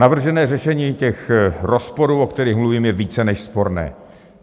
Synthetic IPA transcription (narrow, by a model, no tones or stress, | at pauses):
navr̩ʒɛnɛːrɛʃɛɲiːcɛxɾo̞spo̞ɾuːʔokt̪ɛɾiːxmluviːmjɛviːt͡sɛnɛʃspo̞ɾnɛ̰ː